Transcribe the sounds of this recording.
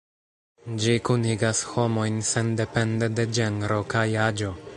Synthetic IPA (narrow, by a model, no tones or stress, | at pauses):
d͡ʒikuniɡasho̞mo̞jnse̞nde̞pe̞nde̞de̞d͡ʒeŋɡɾo̞kajad͡ʒo̞